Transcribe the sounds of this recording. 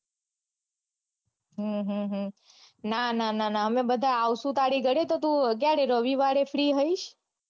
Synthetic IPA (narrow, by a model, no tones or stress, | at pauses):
ɦə̃ɦə̃ɦə̃ | nanananaɦəmebəd̪ʱaawsũt̪aɽiɡəɽet̪ot̪ũkjaɽeɾəʋiʋaɽefʰɾiɦəiʃ